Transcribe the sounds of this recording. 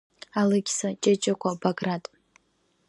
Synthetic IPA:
alɨɡʲsat͡ʃʼet͡ʃʼɪkʷʰabaɡratʼ

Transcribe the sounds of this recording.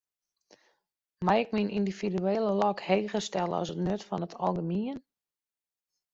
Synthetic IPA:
majɪkminʔindividyeːləlɔkheːɣəstɛlˠə̰ɔ̰sətnøtfɔnətʰɔlˠɡəmiən

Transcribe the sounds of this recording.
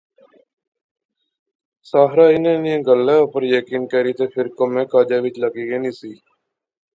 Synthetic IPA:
saːɦɾaːɪnẽːniẽːɡəlːɛːopəɾjəkiːnkɛːɾiːt̪eːpʰɪɾkomẽːkaːd͡ʒaːʋɪt͡ʃləɡiːɡeːnĩːsiː

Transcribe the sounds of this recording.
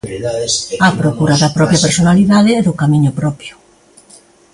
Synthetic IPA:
ɐpɾokuɾaðɐpɾɔpɾjapeɾsonaliðaðɪɛðʊkamiɲʊpɾɔpjʊ

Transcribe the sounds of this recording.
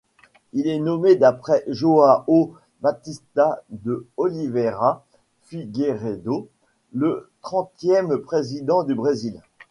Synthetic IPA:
ilɛnɔmed̪apχɛʒoao | bat̪ist̪ad̪əɔliveʁa | fiɡeʁed̪o | lət̪χɑ̃t̪jɛmpχezid̪ɑ̃d̪ybʁezil

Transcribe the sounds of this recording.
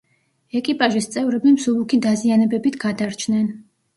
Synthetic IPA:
ɛkʼipʼaʒist̪sʼɛvɾɛbimsubukʰid̪azianɛbɛbit̪ʰɡ̥ad̪aɾt͡ʃʰnɛn

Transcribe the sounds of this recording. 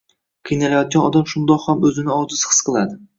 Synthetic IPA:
qʰɨjnalajɒt̪̚ɡʲanɒd̪amʃʊnd̪ɒqhamɵzɪnɪɒzɪshɨ̥sqʰɨlˠad̪ɪ

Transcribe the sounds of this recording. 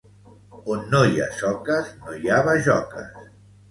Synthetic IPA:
onːoia̰sɔkəznojaβaʒɔ̰kə̰s

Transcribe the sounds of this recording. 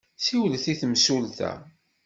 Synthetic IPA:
siwlθiθmsulθæ̰

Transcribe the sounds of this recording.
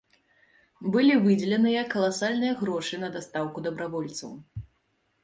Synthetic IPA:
bɨlʲivɨd͡zʲɛlʲɛnɨjɐkːɐlˠasalʲnɨjɐɣɾɔʂɨnɐd̪ast̪awkud̪ɐbɾavɔlʲt̪sɐ̰w

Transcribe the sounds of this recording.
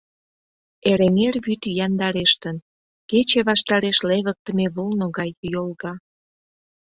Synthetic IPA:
eɾemerβyt̪jɑnd̪ɑɾeʃt̪ən | ket͡ɕeβɑʃt̪ɑɾeʃleβək̚t̪əmeβolnoɣɑjjolɣɑ

